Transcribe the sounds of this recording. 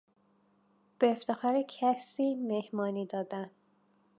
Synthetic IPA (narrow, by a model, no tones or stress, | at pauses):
b̥eːft̪e̞xɒːɾecʰæsiːmehmɒːniːd̪ɒːd̪æn